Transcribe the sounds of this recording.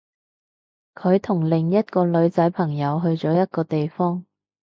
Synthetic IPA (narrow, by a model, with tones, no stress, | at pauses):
kʰɵ˨˧ɥt̪ʰʊ˨˩ŋlɪ˨ŋjɐ˥t̚kɔː˧lɵ˨˧ɥt͡sɐ˨˥jpʰɐ˨˩ŋjɐ˨˧wɦɵ˧ɥt͡sɔː˨˥jɐ˥t̚kɔː˧t̪e˨jfɔː˥ŋ